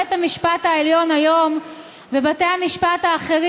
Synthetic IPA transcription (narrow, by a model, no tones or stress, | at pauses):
ethamiʃpathaeljo̞najo̞m | vebatejamiʃpathaːχe̞ʁ